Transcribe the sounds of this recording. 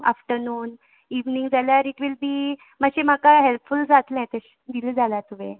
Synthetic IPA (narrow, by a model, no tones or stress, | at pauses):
a̰fʈəɾnuːn | iʋniŋɡd͡zaljaɾiʈʋilbiː | maɕem̤akaɦelpfuld͡zat̪lɛ̃t̪əɕ | d̪iləd͡zalat̪uʋḛ̃